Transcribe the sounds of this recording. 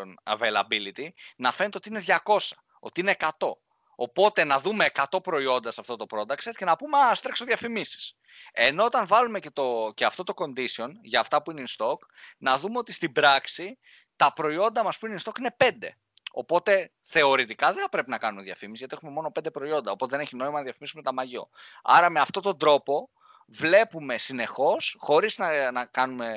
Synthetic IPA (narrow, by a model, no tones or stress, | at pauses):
onɐ̰velɐbilit̪inɐfenet̪eot̪ineðʝɐko̞sɐ̥ | o̞t̪iine̞ːkɐt̪o̞ | opo̞t̪e̞nɐðume̞ːkɐt̪o̞pɾo̞io̞nd̪ɐsɐft̪o̞t̪o̞pɾo̞d̪ɐkset̪ce̞nɐpumeɐst̪ɾeksoðʝɐfimisi̥s | e̞no̞ot̪ɐnvɐlume̞cet̪oce̞ɐft̪o̞t̪o̞ko̞nd̪isio̞nʝɐːft̪ɐpuineinst̪o̞knɐðume̞o̞t̪ist̪ibɾɐksi | t̪ɐpɾo̞io̞nd̪ɐmɐspuineinst̪o̞kine̞pe̞nd̪e̞̰ | o̞po̞t̪e̞ | θe̞o̞ɾit̪ikɐðeθɐpɾe̞pinɐkɐnume̞ðjɐfimisizʝɐt̪ieume̞mo̞no̞pe̞nd̪epɾo̞io̞nd̪ɐopo̞t̪e̞ðeneçino̞imɐnɐðjɐfimisumet̪ɐmɐʝo̰ɐ̰ɾɐme̞ɐft̪o̞t̪o̞nd̪ɾo̞po̞ | vle̞pume̞sine̞xo̞sxo̞ɾiznɐnɐkɐnume̞